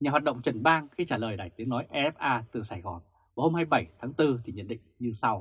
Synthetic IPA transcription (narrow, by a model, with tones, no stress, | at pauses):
ɲaː˨˩wa˨˩t̚ɗə̰˧˨wŋ͡mt͡ɕə˨˧˩nɓaː˧ŋxi˧t͡ɕaː˧˩ləː˨˩jɗaː˧˩jt̪i˨˦ənɔ˨˦jʔɛ˧ʔɛ˦˥p̚ʔaː˧t̪ɨ˨˩saː˧˩jɣɔ˨˩n | vaː˨˩ho˧mhaː˧jɓə˧˩jt̪ʰaː˨˦ŋt̪ɨ˧t̪ʰi˨˩ɲə̰˧˨nɗḭ̈˧˨ŋɲɨ˧sa˧w